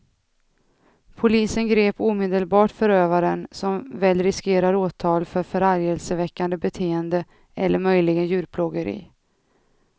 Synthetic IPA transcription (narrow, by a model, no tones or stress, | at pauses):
pʰʊliːsənɡɾeːpuːmeːd̪əlbɑːʈfœɾøːvaɾənsɔmvɛːlɾɪskeːɾaɾoːt̪ʰɑːlfœɾfœɾaɾjɛlsəvɛkːand̪əbɛt̪ʰeːənd̪ə | ʔɛlːəɾmœjlɪɡənjʉ̟ːɾpʰlɔɡəɾḭː